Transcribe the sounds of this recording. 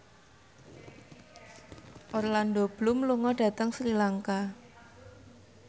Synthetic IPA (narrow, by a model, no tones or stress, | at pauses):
ʔɔrland̪ob̥lumluŋɔɖ̥ä̤t̪əŋsɾilaŋka